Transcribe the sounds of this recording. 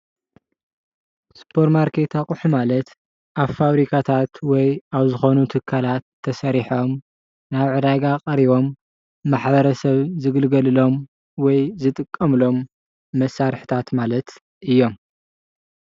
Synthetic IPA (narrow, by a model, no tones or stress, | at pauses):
spʰo̞ɾmaɾkʰet̪ʰakʼuħumalɐt̪ | ʔaβfaβɾikʰat̪ʰat̪wɔjaβzɨxo̞nut̪ʰɨkʰːalat̪ʰːɐsɐɾiħo̞m | naβʕɨd̪aɡaqʼɐɾiβo̞mː | aħbɐɾɐsɐβzɨɡɨlɡɐlɨlo̞m | wɔjzɨt̪ʼɨkʼːɐmɨlo̞mː | ɐsːaɾħɨ̥t̪ʰat̪malɐt̪ | ʔɨjːo̞m